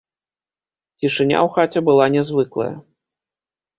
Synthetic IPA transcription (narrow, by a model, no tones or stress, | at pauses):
t͡sʲiʂɨnʲa̰wxat͡sʲɛbɨlˠanʲɛzvɨklˠɐ̰jɐ̰